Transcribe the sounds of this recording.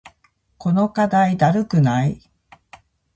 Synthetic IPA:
ko̞no̞kad̪aid̪aɾɯ̟kɯ̟nai

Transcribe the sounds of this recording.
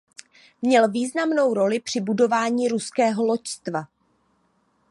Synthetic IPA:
mɲɛlviːznamno̞wɾo̞lɪpr̝̥ɪbudo̞vaːɲiːɾuskɛːɦo̞lo̞cst̪va

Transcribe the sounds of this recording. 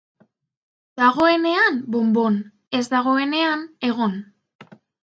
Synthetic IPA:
d̪̥aɣ̞o̞e̞ne̞anbo̞mbo̞n | e̞zd̪aɣ̞o̞e̞ne̞ane̞ɣ̞o̞n

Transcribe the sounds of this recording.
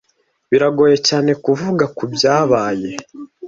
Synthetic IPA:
βiɾaɡo̞ːje̞caːne̞kuvuɡakubjaːβaːje̞

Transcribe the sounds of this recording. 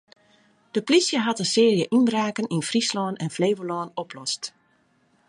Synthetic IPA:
d̥əplisjəɦɑtənsɪːrjəʔinbraːkəninfrislɔːnɛnfleːʋəlɔːnɔpʰlɔst

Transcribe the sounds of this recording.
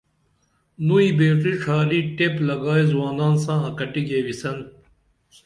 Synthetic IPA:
nuibeːʈiʂʰaːɾiːʈeplɐɡaːizwaːnaːnsãːɐkɐʈiɡeːwisɐn

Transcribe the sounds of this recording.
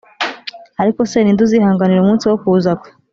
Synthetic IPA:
aɾiko̞se̞niːnduzihaːŋɡaniɾumuːnsiwokuːzakwe̥

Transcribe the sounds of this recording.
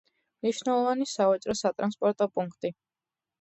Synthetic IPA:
mniʃnɛlˠɔvanisavat͡ʃʼɾɔsat̪ʼɾanspʼɔɾt̪ʼɔpʼuŋkʰt̪ʼi

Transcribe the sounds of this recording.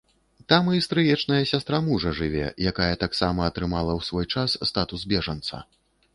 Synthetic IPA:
t̪amɨst̪ɾɨjɛt͡ʂnɐjɐsʲast̪ɾamuʐɐʐɨvʲɛ̰jakajɛt̪aksamɐːt̪ɾɨmalˠɐwsvɔjt͡ʂasːt̪at̪uzbʲɛʐɐnt̪sɐ̰

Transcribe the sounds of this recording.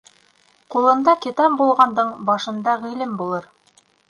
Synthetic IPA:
qulˠɤ̆nd̪ɑkit̪ɑmbulˠʁɑnd̪ɤɴbɑʃɤ̆nd̪ɑʁĭlɘmbulˠɤɾ

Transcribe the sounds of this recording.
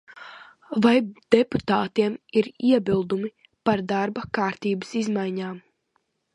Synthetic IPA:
vajd̪̥eput̪aːt̪iɛmiɾiɛbilˠd̪umi | paɾd̪aɾbakaːɾt̪iːbɨsizmajɲaːm

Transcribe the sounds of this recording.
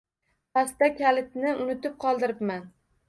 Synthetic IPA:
past̪akʲʰalɪt̪̚nɪʊnɪt̪ɪp̚qʰɒlˠd̪ɪɾɪpman

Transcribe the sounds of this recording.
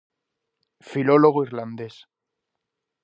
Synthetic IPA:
filoloɣ̞oiɾland̪es

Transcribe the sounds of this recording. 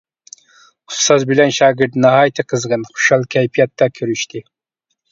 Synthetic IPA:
ʊ̥st̪ɑzbɪlɛnʃɑːɡʲɪɾt̪nɑɦɑjt̪ʰɨqʰəzʁənχʊ̥ʃɑlˠkʲʰæjpʰijɑt̪ːɑkʲʰøɾyʃt̪ʰɪ

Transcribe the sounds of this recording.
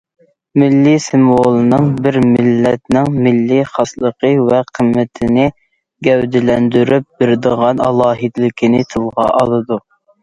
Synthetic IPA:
mɪlːisɪmwolˠɨnɨŋbɪɾmɪlːɛt̪nɪŋmɪlːiχɑslˠəqʰəvɛqʰəmːɪt̪ʰɪnɪ | ɡʲɛwd̪ɪlɛnd̪yɾyp̚bɪɾd̪əʁɑnɑ̰lˠɑːɦɨd̪ɪlɪkʲʰinɪt̪ʰɨlˠʁɑ̰ʔɑlˠɨd̪u

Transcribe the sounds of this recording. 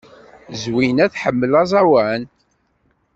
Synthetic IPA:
zwinæθħəmːəlɑzˤɑwæn

